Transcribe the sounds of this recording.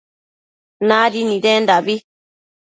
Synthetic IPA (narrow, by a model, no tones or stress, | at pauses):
nadinidɛndabi